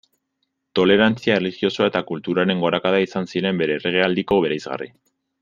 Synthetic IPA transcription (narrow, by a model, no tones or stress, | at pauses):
t̪o̞le̞ɾant͡siaelixio̞soae̞t̪akult̪uɾaɾe̞ŋɡo̞ɾakaðaisansiɾe̞mbe̞ɾe̞ːre̞ɣ̞e̞ald̪iko̞β̞e̞ɾajzɣa̰rḭ